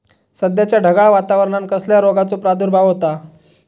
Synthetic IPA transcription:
səd̪jat͡ɕjaɖʱəɡaɭʋat̪aʋəɾɳankəsljaɾoɡat͡sopɾad̪uɾbʱaʋɦot̪a

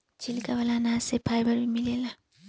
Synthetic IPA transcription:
t͡ʃilikaβalanasepʰajbaɾbimilela

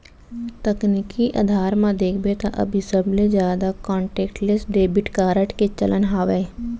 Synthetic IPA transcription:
t̪əknikiʔa̰d̪ʱaːɾmãd̪eːkʰbet̪ʰa̰ʔɐ̰bʱisəbled͡ʒjaːd̪akɔ̃ːɳʈeːkʈlesɖeːbɪʈkaːɾəʈket͡ʃələnɦaːʋeː

